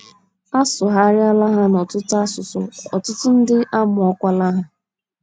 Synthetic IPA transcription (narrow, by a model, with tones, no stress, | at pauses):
a˦sʊ˨ɦa˦ɾja˦la˦ɦa˦nɔ˨tʊ˦tʊ˦a˦sʊ˨sʊ̰˨ɔ̰˨tʊ˦tʊ˦n̩˦dɪ˦ʔa˦mʊ˨ɔ˦kʷa˦la˦ɦa˦